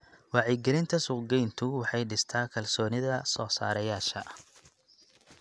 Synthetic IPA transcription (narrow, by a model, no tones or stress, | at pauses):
wɑːʕiɡɛɾɪnt̪ʰɐsʊqɡɛjnt̪ʰʊwɑħɑjɖɪst̪ʰaːkʰɐlsɔːnɪðɐsɔːsa̰ːɾɐjaːʃɐ